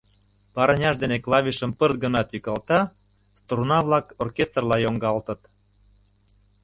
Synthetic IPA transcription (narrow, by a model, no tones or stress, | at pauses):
pɑɾənʲɑʃd̪eneklɑβʲiʃə̆mpərt̪̚ɡə̆nɑt̪jykɑlt̪ɑ | st̪runɑβlɑkorkʲest̪rlɑjoŋɡɑlt̪ə̆t̪